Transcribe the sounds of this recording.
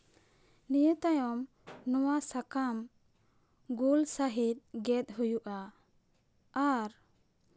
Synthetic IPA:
nijət̪ajɔm | nɔwasakam | ɡulsaɦit̪̚ˀɡɛt̪̚ɦujuʔa | aɾ

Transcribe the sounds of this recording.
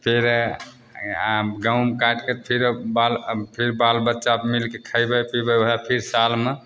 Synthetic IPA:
pʰiɾ | ɡawmkaʈket̪pʰiɾbalpʰiɾbalbətːʃabmilkekʰəjbəpibəoɦapʰiɾsalme

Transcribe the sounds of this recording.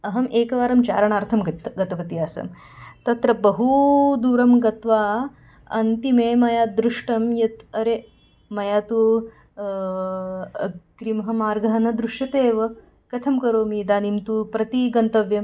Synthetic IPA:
ɐɦɐmʔeːkɐʋaːɾɐmt͡ʃa̰ːɾɐɳaːɾt̪ʰɐmɡɐt̪ɡɐt̪ɐʋɐt̪ijaːsɐ̰m | t̪ɐt̪ɾɐbɐɦud̪uːɾɐmɡɐt̪ʋaː | ɐ̰nt̪imeːmɐjaːd̪ɾuʂʈɐmjɐt̪ɐɾe | mɐjaːt̪u | ɡɾimɦɐmaːɾɡɐɦɐnɐd̪ɾuʂjɐt̪eːʋɐ | kɐt̪ʰɐmkɐɾoːmiːd̪aːnimt̪upɾɐt̪iɡɐnt̪ɐʋjɐm

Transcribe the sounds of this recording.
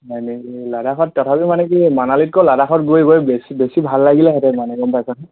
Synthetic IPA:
ɦɔjnekiladaxɔtːɔtʰapimanɛkimanalit̚kɔladaxɔtɡuejɡojbesibesibʱalːaɡilɛɦɛtɛmanɛɡɔmpajsɔn

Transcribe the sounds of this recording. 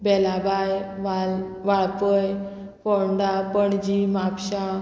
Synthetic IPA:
bɛlabajʋa | ʋaɭpəj | kɔɳɖapəɳd͡ʑimapɕa

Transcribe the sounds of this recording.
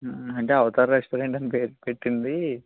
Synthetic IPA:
ɐɳʈeɐʋɐt̪aːɾɐɾeksʈoɾeɳʈɐnpepeʈːind̪i

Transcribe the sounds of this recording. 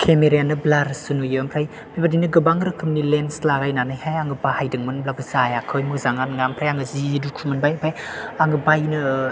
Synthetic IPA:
kʰemeɾijanɯblaɾsɯnujɯmpʰɾaj | mibadinɯɡɯbaŋɾɯkʰɯmnilenslaɾajnanɯjhajaŋɡɯbahajdɯŋmɯnblabɯzajakʰɯjmɯzaŋanŋampʰɾajaŋɯzidukʰumɯnbajpʰajaŋɯbajnɯ

